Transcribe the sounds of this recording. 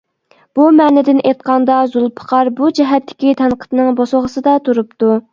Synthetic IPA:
b̥umɛːnɪd̪ɪnʔet̪̚qɑnd̪ɑzulˠpʰə̥qʰɑɾbud͡ʒɛɦɛt̪ʰːɪ̥kʲit̪ʰɛnqʰə̥t̪nɨŋboslˠʁəsɨd̪ɑt̪ʰuɾupt̪u

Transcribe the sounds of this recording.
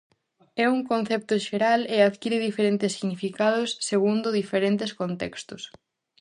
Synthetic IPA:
ɛuŋkonθɛp̚t̪ʊʃeɾalɪaðkiɾɪðifeɾent̪ɪsːiɣnifikaðʊsːeɣund̪ʊðifeɾent̪ɪskont̪ɛkst̪ʊs

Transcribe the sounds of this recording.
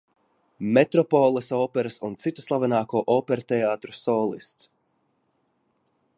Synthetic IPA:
mɛt̪ɾɔpɔːlˠɛsɔːpɛɾasunt̪sit̪u̥slˠavɛnaːkoːʔɔːpɛɾat̪ɛaːt̪ɾu̥sɔːlˠḭst̪s

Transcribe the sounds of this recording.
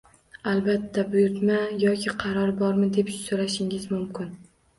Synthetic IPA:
alˠbat̪ʰːabʊjʊɾt̪majɒkʲʰɪqʰɑɾɒɾbɒɾmɪd̪e̞pʃsoɾaʃɪŋɪzmʊmkʰʲɪn

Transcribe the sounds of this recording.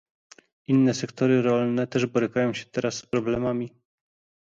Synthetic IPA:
inːɛsɛkt̪ɔɾɘɾɔlnɛt̪ɛʐbɔɾɘkajɔ̃w̃ɕɛ̥t̪ɛɾasːpɾɔblɛmamʲi

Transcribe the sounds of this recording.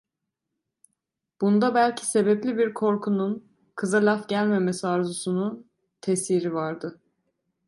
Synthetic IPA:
b̥und̪abælʲcʰi̥se̞beplʲibiɾkʰo̞ɾkʰunun | kʰɯzalʲafɟælʲmemesiaɾzusunun | t̪ʰesiɾivaɾd̪ɯ

